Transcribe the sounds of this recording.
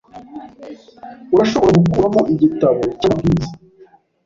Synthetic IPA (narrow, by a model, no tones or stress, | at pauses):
wɾaʃoβo̞ɾeɡukuɾamoʔiɟitaβo̞caːbɡiːza